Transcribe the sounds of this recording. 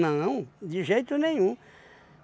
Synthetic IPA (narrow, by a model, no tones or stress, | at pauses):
nɐ̃w̃d̪iʒejt̪unẽɲ̃ũ